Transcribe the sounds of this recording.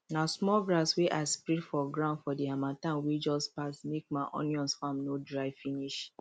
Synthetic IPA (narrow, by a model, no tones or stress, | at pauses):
nasmɔɡɾasweʔaɪspɹidfɔɡɹãʊ̃ndfɔdiamãtãnwed͡ʒɔspasmek̚maʔɔ̰̃njɔ̃nsfãmnodɹaɪfiniʃ